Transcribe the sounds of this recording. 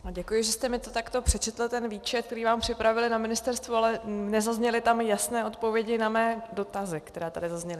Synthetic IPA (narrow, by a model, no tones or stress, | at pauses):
aɟɛkujɪʒɛst̪ɛmɪt̪ot̪akt̪o̞pr̥ɛt͡ʃɛt̪l̩t̪ɛnviːt͡ʃɛt̪kt̪ɛɾiːvaːmpr̝̥ɪpɾavɪlɪnamɪnɪst̪ɛɾst̪vualɛnɛzazɲɛlɪt̪amjasnɛːo̞t̪povjɛɟɪnamɛːdo̞t̪azɪkt̪ɛɾaːt̪adɪzazɲɛlɪ